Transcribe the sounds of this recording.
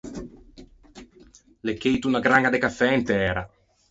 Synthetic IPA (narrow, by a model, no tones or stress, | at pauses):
lekːejt̪unaɡɾaŋɡad̪ekafːɛint̪ɛːɾa